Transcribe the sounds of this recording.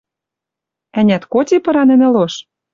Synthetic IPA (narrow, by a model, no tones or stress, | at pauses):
ænʲæt̪kot̪ʲepɤ̆ɾɑnɘ̆nɘ̆loʃ